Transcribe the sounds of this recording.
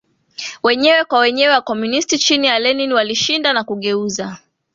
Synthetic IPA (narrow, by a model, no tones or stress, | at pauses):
wɛɲɛwɛkwawɛɲɛwɛwakɔmunistit͡ʃinialɛniniwaliʃindanakuɠɛuza